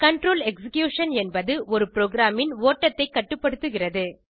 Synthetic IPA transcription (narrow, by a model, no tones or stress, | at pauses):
kɐɳʈɾoːlɛksɪkjuːʂɐnɛnbɐðɯʔɔɾɯpɪɾoːɡɾaːmɪnoːʈːɐt̪ːɐɪkːɐʈːɯpːɐɽɯt̪ːɯɣɪrɐðɯ